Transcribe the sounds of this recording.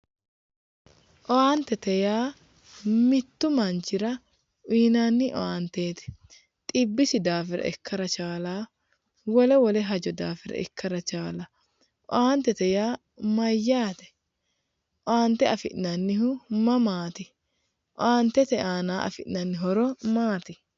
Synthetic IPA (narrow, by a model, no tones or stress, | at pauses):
ʔɔaːnt̪ɛt̪ɛjaː | mɪt̪ːʊmɐnt͡ʃɪɾɐ | iːnaːnːɪʔɔ̰aːnt̪eːt̪ɛ̥ | t̪ʼɪbːɪsɪd̪aːfɪɾɐ̰ɛkːɐɾɐt͡ʃaːlaː | wɔlɛwɔlɛɦɐd͡ʒɔd̪aːfɪɾɐ̰ɛ̰kʰːɐɾɐt͡ʃaːlɐ | ʔɔ̰aːnt̪ɛt̪ɛjaː | mɐjːaːt̪ɛ̥ | ʔɔaːnt̪ɛɐfɪ̰ʔnɐnːɪhʊmɐmaːt̪ɪ | ʔɔaːnt̪ɛt̪ɛaːnaːʔɐ̰fɪʔnɐnːɪɦɔɾɔmaːt̪ɪ